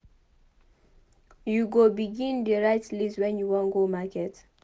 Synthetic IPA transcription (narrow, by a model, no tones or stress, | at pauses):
juɡobiɡĩndeɹaɪtliswɛ̃njuwɔ̃nɡomakɛt